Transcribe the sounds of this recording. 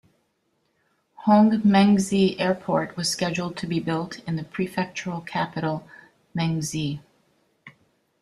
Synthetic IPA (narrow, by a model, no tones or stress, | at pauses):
hõŋmɛ̃ŋziʔɛɹpʰɔɹt̚wʌz̥skɛd͡ʒl̩ˠd̚tʰɨbibɪlˠtɨ̃nðɨpʰɹ̥ifɛk̚t͡ʃə˞l̩ˠkʰæpɨɾl̩ˠ | mɛ̃ŋzi